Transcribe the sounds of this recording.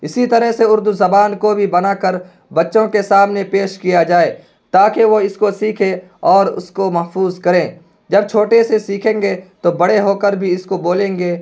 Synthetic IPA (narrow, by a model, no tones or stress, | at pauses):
ɪsit̪ɐɾəɦseʊɾd̪uzɐbaːnkobʱibɐnakəɾ | bɐtːʃõkesaːmnepeːʃkijad͡ʒaːeː | t̪aːkeʋoɪskosiːkʰẽ | ɔːɾʊ̰skomɐɦfuːzkɐɾẽː | d͡ʒɐb̚t͡ʃʰoːʈesesiːkʰẽːŋɡet̪obɐɽeɦoːkəɾbʱiɪskoboːlẽːŋɡeː